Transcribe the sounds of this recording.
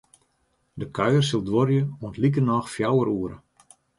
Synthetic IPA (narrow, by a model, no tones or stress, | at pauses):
dəkʰœɥərsilˠdʋoɾjəuəntlik̬ərnɔxfjawəɾuəɾə̰